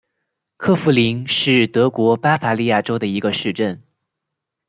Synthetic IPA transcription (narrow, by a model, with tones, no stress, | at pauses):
kʰɤ˥˩fu˧˥li˧˥ŋʂɻ̩˥˩t̪ɤ˧˥kwɔ˧˥pa˥fa˧˥li˥˧ja˥˩ʈ͡ʂo˥ʊd̪ə˨i˧˥ɡə˧ʂɻ̩˥˧ʈ͡ʂə˥˩n